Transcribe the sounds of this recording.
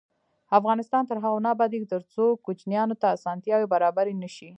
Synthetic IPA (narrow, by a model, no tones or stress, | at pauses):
afɣɑnɪst̪ɑnt̪əɾɦaɣanɑbɑd̪ikt̪əɾt͡sokut͡ʃnjɑnot̪aːsɑnt̪jɑwebaɾɑbaɾenəʃi